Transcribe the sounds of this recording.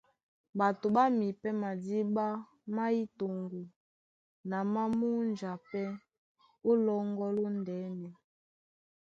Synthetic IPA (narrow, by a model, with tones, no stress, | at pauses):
ba˨to˨ɓa˦mi˨pɛ˦ma˨di˦ɓa˦ | ma˦i˦to˨ŋɡu˨ | na˨ma˦mu˦nd͡ʒa˨pɛ˦ | o˦lɔ˦ŋɡɔ˦lo˦ndɛ˨˦nɛ˨